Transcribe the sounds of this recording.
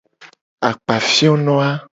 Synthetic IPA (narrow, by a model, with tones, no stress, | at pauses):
a˨k͡pa˨fi˦o˦nɔ̃˦a˦